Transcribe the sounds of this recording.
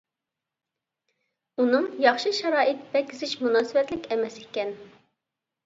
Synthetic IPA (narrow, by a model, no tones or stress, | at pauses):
unɨŋjɑχʃɨʃɑɾɑːʔɪt̪b̥ɛkʲːɪzɪʃmunɑːsɨwɛt̪lɪkʲɛmɛsekʲɛn